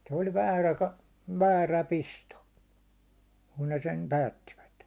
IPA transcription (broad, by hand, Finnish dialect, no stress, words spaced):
se olʲ ʋæːræ kɑ ʋæːræ pisto kun ne sem pæːtːiʋæt